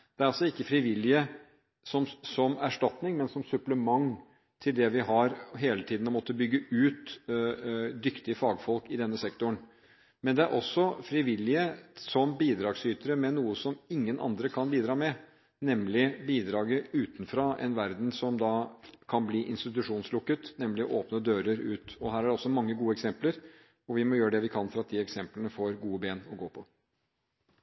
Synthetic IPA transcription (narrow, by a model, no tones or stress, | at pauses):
d̪̥ɛæɾɑlsɔɪkːəfɾɪʋɪlːɪə | sɔmsɔmæʂʈɑt̪nɪŋmɛnsɔmsʉpləmɑŋ | t̪ʰɪld̪ɛʋɪɦɑɾɦeːlət̪ʰiːd̪n̩ɔmɔt̪ːəbʏɡːəʉːt̪ | d̪ʏkt̪ɪəfɑːɡfɔlkɪd̪ɛnːəsɛkt̪ʊɳ | mɛnd̪ɛæɾʔɔsːɔfɾɪʋɪlɪəsɔmbiːd̪ɾɑːɡsyːt̪əɾəmɛnuːəsɔmɪŋːənʔɑ̰nd̪ɾəkʰɑnbiːd̪ɾɑːmɛ | nɛmlɪbiːd̪ɾɑːɡəʉːt̪nfɾɑʔɛ̰nʋæɾd̪n̩sɔmd̪ɑkʰɑnbliːʔɪ̰nst̪ɪt̪̬ʉʂuːnslʊkːət̪nɛmlɪɔ̰ʔoːpnəd̪øːɾəɾʉːt̪ɔɦæːɾæɖɛɔsːɔmɑŋːəɡuːəɛksɛmpləɾ | ɔʋɪmɔjøːɾəɖ̪ɛʋɪkʰɑnfɔɾɑt̪̚d̪iɛksɛmplənəfoːɾɡuːəbeːnɔɡoːpʰɔ